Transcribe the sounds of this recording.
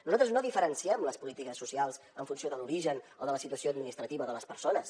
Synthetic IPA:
nuzalt̪ɾəznoðifəɾənsiɛmləspulit̪ikəsːusialˠz | əɱfunsioðəluɾiʒənoðələsit̪uəsioəd̪minist̪ɾət̪iβəðələspəɾsonəs

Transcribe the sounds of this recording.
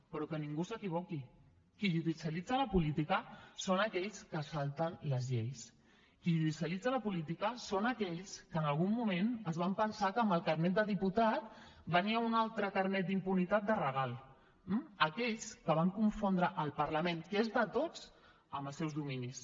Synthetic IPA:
pɾɔkəniŋɡusəkiβ̞ɔki | kiʒuðisiəlid͡zələpulit̪ikəsonəkɛʎskəsalˠt̪ənləzʎejs | kiʒuðisjəlid͡zələpulit̪ikəsonəkɛʎskəːnəlˠɣumːumenəzβampənsakəːmbəlˠkaɾnɛt̪̚d̪əðiput̪at̪bəniəunalˠt̪ɾəkaɾnɛt̪̚d̪impunit̪at̪̚d̪ərəɣ̞alˠ | m̩əkɛʎskəβ̞aŋkuɱfond̪ɾəʔəlˠpəɾləmẽnkezðət̪od͡z̥ | əməlˠsɛwzðuminis

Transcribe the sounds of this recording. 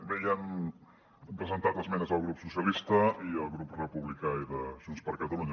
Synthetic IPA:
bejɛm | pɾəzənt̪at̪əzmɛnəzəlˠɣɾupsusjəlist̪əiəlˠɣɾuprəpuβlikaiðəʒ̥unspəɾkət̪əluɲ

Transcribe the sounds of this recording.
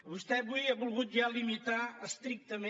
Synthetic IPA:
βust̪ɛβujaβulˠɣut̪̚ʒalimit̪aəst̪ɾik̚t̪əme

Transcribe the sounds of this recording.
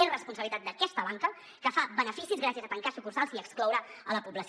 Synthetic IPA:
erəspunsəβlit̪at̪̚d̪əkɛst̪əβaŋkə | kəfabənəfisizɣɾas̬jəzət̪əŋkasukursalˠziəksklɔwɾəələpubləs

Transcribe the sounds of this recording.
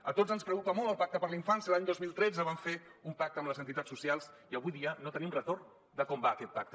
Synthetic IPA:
ət̪od͡zənspɾəkukəmɔlˠəlˠpak̚t̪əpəɾliɱfansiəlaɲd̪ozmilˠt̪ɾɛd͡zəβ̞aɱfeumpak̚t̪əmləzənt̪it̪asːusialˠs | iəβujðiənot̪ənimrət̪orn | d̪əkɔmbaːkɛt̪̚pak̚t̪ə

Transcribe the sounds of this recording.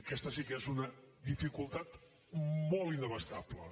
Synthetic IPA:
əkɛst̪əsikezunəðifikulˠt̪at̪ | mɔlˠinəβəst̪aplə̰

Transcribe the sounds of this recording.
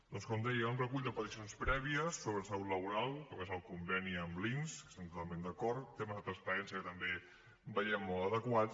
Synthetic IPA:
d̪ɔnskɔmd̪ɛjunrəkuʎd̪əpət̪isionspɾɛβiəsːoβɾəsauləβuɾalˠkomezəlˠkumbɛniəmlinskə̥st̪ɛmt̪ot̪alˠmẽnd̪əkɔɾt̪ːeməzðət̪ɾəspəɾɛnsijəkət̪əmbe | bəjɛmːolˠəðəkwat

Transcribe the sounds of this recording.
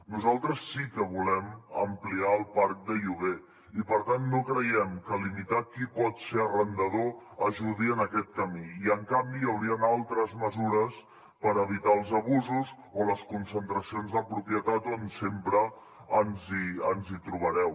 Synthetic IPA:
nuzalˠt̪ɾəsːikəβulɛmə̰mpliaəlˠpaɾk̚d̪əʎuɣe | ipəɾt̪anːokɾəjɛmkəlimit̪akipɔt̪seərənd̪əð̞oəʒuðiənəkɛt̪̚kəmiiəŋkambijəwɾiənalˠt̪ɾəzməzuɾəs | pəɾəβ̞it̪aəlˠzəβuzuz | oləskunsənt̪ɾəsionzðəpɾupjət̪at̪onsempɾəː | nziənzit̪ɾuβ̞əɾɛw

